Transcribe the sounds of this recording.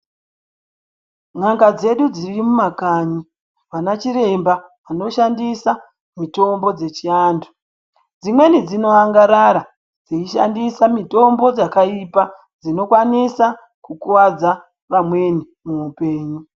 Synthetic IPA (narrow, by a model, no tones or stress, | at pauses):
ŋ̤aŋɡad͡ze̞ɗud͡zirimumakaɲi | ʋanat͡ʃiɾe̞mba | ʋano̞ʃandisa | mito̞mbo̞d͡ze̞t͡ʃiaːndu | d͡zimwe̞nid͡zino̞aŋɡaɾaɾa | d͡ziiʃa̰ndisamito̞mbo̞d͡zakaipa | d͡zino̞kwanisa | kukuwad͡za | ʋamwe̞ni | muupe̞ːɲu